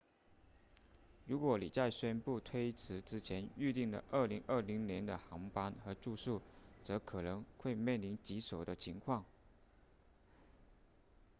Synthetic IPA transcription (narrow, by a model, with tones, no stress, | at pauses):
ɻu˧˥kwɔ˧˥li˨˩t͡sa˥˩ɪɕɥɛ˥npu˥˩t̪ʰwe˥ɪt͡sʰɹɻ̩˧˥ʈ͡ʂɻ̩˥t͡ɕʰjɛ˧˥ny˥˧t̪i˥˩ŋlə̰˩ʔə˞˥˩li˧˥ŋʔə˞˥˩li˧˥ŋnjɛ˧˥nd̪ə˧xɑ˧˥ŋpa˥nxɤ˧˥ʈ͡ʂu˥˧ʂu˥˩t͡sɤ˧˥kʰɤ˨˩nɤ˧˥ŋxwe˥˧ɪmjɛ˥˩nli˧˥nt͡ɕi˧˥ʂo˨˩ʊd̪ə˦t͡ɕʰi˧˥ŋkʰwɑ˥˩ŋ